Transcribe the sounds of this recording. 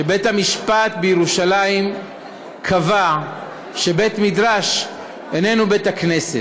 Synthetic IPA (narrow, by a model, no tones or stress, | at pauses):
ʃebe̞thamiʃpat̪bejeʁuʃalajim | kʰava | ʃe̞be̞t̪midʁaʃ | ene̞nube̞takne̞set